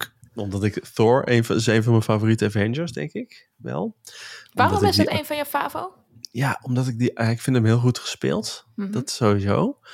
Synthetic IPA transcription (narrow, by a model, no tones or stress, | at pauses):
ɔmdɑtɪkθɔɹḛjnɪsejnvɑnmənfavoːritəavɛnd͡ʒəɹsdɛ̰ŋkɪk | ʋɛ̰lˠʋaːrdɔtmɪsdɔtejnvɑnjəfaːvow | jaɔmdɑtɪɡ̚dijaɪkfɪntəmɦɪːlˠχutχə̥spɪ̰ːlˠtd̥ɔtsowizo̰w